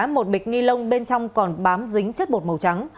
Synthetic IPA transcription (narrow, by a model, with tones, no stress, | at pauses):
mo˨˩t̚ɓi˨˩k̟̚ŋi˧lə˧wŋ͡mɓe˧nt͡ɕɔ˧wŋ͡mkɔ˨˩nɓaː˨˦mzï˨˦ŋ̟t͡ɕə˦˥t̚ɓo˨˩t̚mə˨˩wt͡ɕa˨˦ŋ